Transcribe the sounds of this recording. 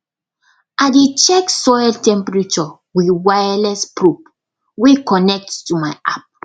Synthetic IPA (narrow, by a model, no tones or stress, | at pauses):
ʔaɪdet͡ʃɛksɔjltɛ̃mpɹit͡ʃɔ | wiwajalɛspɹup̚ | wekɔnɛk̚ttumaɪʔap̚